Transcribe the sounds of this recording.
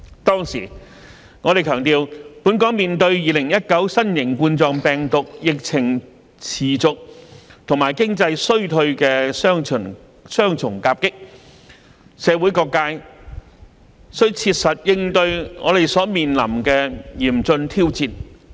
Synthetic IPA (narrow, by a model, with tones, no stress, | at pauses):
t̪ɔː˥ŋsiː˨˩ | ŋɔː˨˧ɾe˨jkʰœː˨˩ŋt̪iː˨˧wpu˨˥nkɔː˨˥ŋmiː˨nt̪ɵ˧ɥjiː˨˧lɪ˨˩ŋjɐ˥t̚kɐ˨˥wsɐ˥njɪ˨˩ŋkuː˧nt͡sɔː˧ŋpɛː˨ŋt̪ʊ˨k̚jɪ˨k̚t͡sʰɪ˨˩ŋ | t͡sʰiː˨˩t͡sʊ˨k̚t̪ʰʊ˨˩ŋmaː˨˩jkɪ˥ŋt͡sɐ˧jsɵ˥ɥt̪ʰɵ˧ɥkɛː˧sœː˥ŋʰ˨˩n | sœː˥ŋt͡sʰʊ˨˩ŋkaː˧p̚kɪ˥k̚ | sɛː˨˧wu˨˥jkɔː˧kːaː˧j | sɵ˥t͡sʰiː˧t̚sɐ˨t̚jɪ˧ŋt̪ɵ˧ɥŋɔː˨˧ɾe˨jsɔː˨˥miː˨nlɐ̰˨˩mkɛː˧jiː˨˩mt͡sɵ˧nt̪ʰiː˥wt͡siː˧n